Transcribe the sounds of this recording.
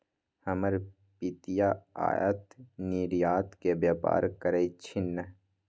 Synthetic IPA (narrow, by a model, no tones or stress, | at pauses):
hɐməɾ | pit̪ijaa̰ːja̰t̪niːɾijaːt̪kebjaːpa̰ːɾkəɾeit͡ʃʰɪnːə